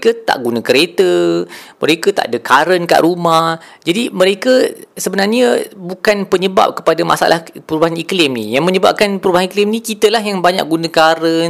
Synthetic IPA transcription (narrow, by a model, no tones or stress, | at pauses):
kət̪a̰ʔɡunãkəɾet̪əmə̰ɾekət̪a̰ʔadəkaɾənka̰ʔɾumahd͡ʒadimə̃ɾekəsəbənarɲəbukanpəɲəba̰p̚kə̥padama̰sa̰lahpəɾubaɦaniklɪmnḭjaŋmə̃ɲəba̰p̚kanpəɾubaɦaniklɪmnikit̪əlahjaŋbaɲa̰k̚ɡunəkaɾən